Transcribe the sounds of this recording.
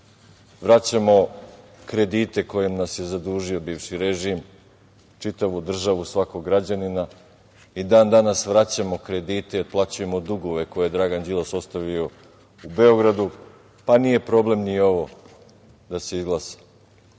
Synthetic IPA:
ʋɾat͡ɕamo̞kɾe̞d̪it̪e̞ko̞jemnasjezad̪uːʒio̞biːʋʃiɾe̞ʒim | t͡ʃit̪aʋud̪r̩ʒaʋusʋako̞ɡɾad͡ʑanina | id̪aːnd̪anasʋɾat͡ɕamo̞kɾe̞d̪iːt̪eplˠat͡ɕuje̞mo̞d̪uɡoʋe̞ko̞jed̪ɾaɡand͡ʑilˠoso̞st̪aʋio̞ | ube̞o̞ɡɾad̪u | panije̞pɾo̞ble̞mnio̞ʋo̞ | d̪ase̞izɡlˠasḁ

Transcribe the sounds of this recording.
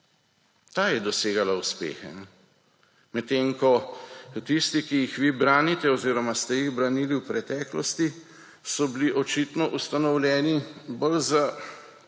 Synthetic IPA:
t̪aːjɛd̪ɔseːɡalauspḛːxɛ̰m | mɛt̪eːŋkɔ | t̪ist̪ikijixʋiːbɾaːnit̪ɛɔziːɾɔmast̪ɛjiɣbɾaniːliwpɾɛt̪ɛːklɔst̪i | sɔbiliʔɔt͡ʃit̪nɔʔust̪anɔwlʲjɛːnibəlza

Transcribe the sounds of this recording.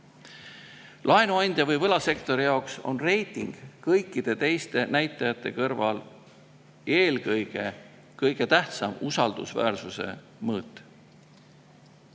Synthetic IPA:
lʔɑenuɑnʲd̪̥ʲjɑvɤjvɤlɑse̞kt̪o̞ɾijɑokso̞nre̞jt̪ˑiŋɡ̥kɤjkːˑid̪̥e̞t̪e̞jst̪e̞næjt̪ˑːɑjɑt̪ːˑe̞kɤrvɑl | eːlkɤjɡ̥e̞ | kɤjɡ̥e̞t̪æht̪sɑmusɑld̪̥ṵsvæ̰ːrsuse̞̰ | mɤːt̪ːˑ

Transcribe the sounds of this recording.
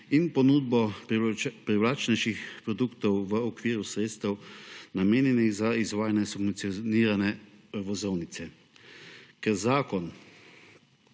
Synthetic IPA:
inpɔnuːd̪̚bɔ | pɾɛwlaːt͡ʃnɛʃixpɾɔd̪uːkt̪ɔwʋəɔkʋiːɾusɾeːt̪st̪ɛwnameːnjɛniɣzaizʋaːjanɛsub̪siɔniːɾanɛʋɔzɔwnit̪sɛ | kɛɾzaːkɔn

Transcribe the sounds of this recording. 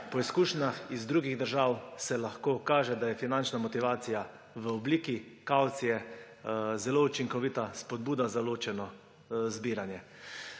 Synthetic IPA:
pɔiskuːʃnaxizd̪ɾuɡiɣd̪əɾʒaːwsɛlaxkoːkaːʒɛd̪ajɛfinant͡ʃnamɔt̪iʋaːt̪sija | ʋəɔbliːkikawt̪sijɛ | zɛlout͡ʃiŋkɔʋit̪aspɔd̪̚buːd̪azaloːt͡ʃɛnɔ | zbiːɾanjɛ

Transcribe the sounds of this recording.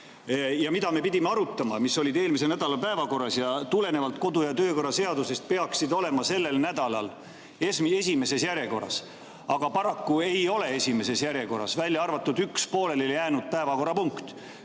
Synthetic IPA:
jɑmid̪ɑme̞pid̪̥ʲimeɑɾut̪ːˑɑmɑmisːo̞lʲid̪e̞ːlmis̬e̞næd̪̥ɑlɑpæevɑko̞rːɑsjɑt̪ule̞ne̞vɑlt̪ko̞d̪ujɑt̪ø̞ːko̞rːɑse̞ɑd̪use̞st̪̚pe̞ɑksid̪o̞le̞mɑse̞lːelnæd̪ɑlɑ̰l | esmie̞sʲime̞se̞sjæɾje̞ko̞rɑ̰s | ɑɡ̥ɑpɑɾɑkːue̞jo̞le̞esʲime̞se̞sjæɾje̞ko̞rɑ̰svælʲjɑɑrvɑt̪ːud̪̥ykspo̞ːle̞leljæːnud̪̥̚pæe̞vɑko̞rːɑpuŋkt̪

